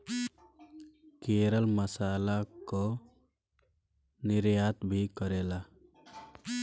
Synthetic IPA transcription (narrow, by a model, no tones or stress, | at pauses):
keːɾəlməsaːlako | nɪɾjaːt̪bʱikəɾeːla